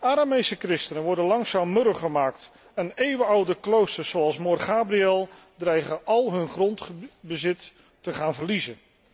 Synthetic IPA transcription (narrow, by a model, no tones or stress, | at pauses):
aːɾamejsəkrɪstənənʋɔɹdənlɑŋsaːmːøɾəχəmaːkt | ɛnejʋəɑwdəklowstəɹsowɑlˠsmɔrχaːbriɛlˠ | drɛjχəʔɑlˠɦɵnχrɔntbəzɪtː | əχaːnvəɹlizən